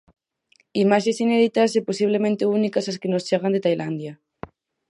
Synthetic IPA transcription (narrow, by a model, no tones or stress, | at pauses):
imaʃesineðit̪aseposiβ̞lemẽnt̪eunikasaskenost͡ʃeɣ̞and̪et̪ajlʔand̪ja